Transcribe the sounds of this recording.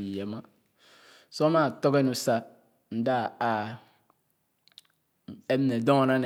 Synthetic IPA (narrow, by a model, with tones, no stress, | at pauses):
jɛ˨ma˦ | so˦ma˦˨to˦ke˦nu˨sa˦ | n̩˨˦da˦˨a˨ | e˦m˦ne˨do˦˨na˦n˨